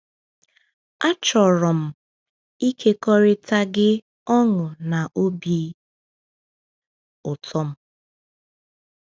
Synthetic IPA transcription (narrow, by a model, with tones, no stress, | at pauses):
a˦t͡ʃɔ˨ɾɔ˨m̩˦ | i˦kʰe˦kɔ˦ɾɪ˦ta˦ɡɪ˦ | ɔ˦ŋʊ˨na˨ʔo˦bi˦ | ʊ˨tʰɔ˦m̩˦